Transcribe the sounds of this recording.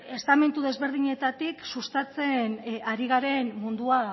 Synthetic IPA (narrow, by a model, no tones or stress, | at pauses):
e̞st̪ame̞nt̪uðe̞zβe̞ɾð̞iɲe̞t̪at̪iksust̪at͡se̞naɾiɣ̞aɾe̞nmund̪ua